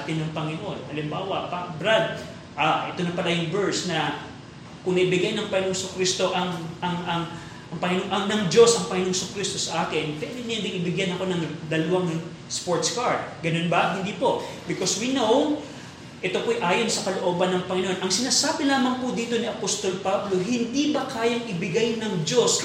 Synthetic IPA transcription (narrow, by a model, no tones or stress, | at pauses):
t̪ɪnːɐŋpɐŋɪnoʔo̞nhɐlɪmbaːwɐpabɾad̪̚ | ʔaʔɛt̪onɐpɐlajʊŋbɛɹsnɐ | kʊŋnɐʔɪbɪɡajnɐŋpɐŋɪnoŋsʊkɾist̪o̞ʔɐŋʔɐŋɐŋ | ʔɐŋpɐŋɪnoŋʔɐŋnɐŋd͡ʒo̞sʔɐŋpɐŋɪnoŋsʊkɾist̪o̞sɐʔaːkɪnpɛnɪnɛnd̪ɪŋʔɪbɪɡjanɐko̞nɐŋd̪ɐlɐwaŋ | spoɹt̪skaɹd̪̚ɡɐno̞nbɐɦɪnd̪iːpo̞ | bɪkoswinow | ʔɛt̪o̞pojʔaːjonsɐkɐloʔoːbɐnːɐŋpɐŋɪnoʔonʔɐŋsɪnaːsaːbɪlaːmɐŋpʊd̪iːt̪o̞niʔɐpost̪o̞lpablo̞ɦɪnd̪ibɐkaːjɐŋʔɪbɪɡajnɐŋd͡ʒo̞s